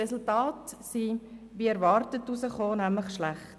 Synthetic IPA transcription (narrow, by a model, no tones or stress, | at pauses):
ɛsultɑːtsiʋiɛɾʋɑːɾtətːusəχoːnæmləχʃlæχt